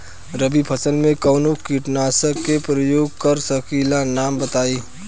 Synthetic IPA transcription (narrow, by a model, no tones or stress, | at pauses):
ɾəbipʰəsənmẽkəʊnokiʈnaːsəkːepɾəjoːɡkəɾsəkʰilanaːmbət̪aːi